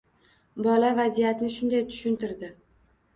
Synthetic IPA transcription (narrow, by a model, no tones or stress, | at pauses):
bɒlavazijat̪nɪʃʊnd̪ajt̪ʰʊ̥ʃʊnt̪ɪɾd̪ɪ